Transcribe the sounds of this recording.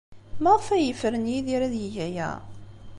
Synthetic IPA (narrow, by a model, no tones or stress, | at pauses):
məʁfæjəfəɾənjiðiɾæðjəjæjæ̰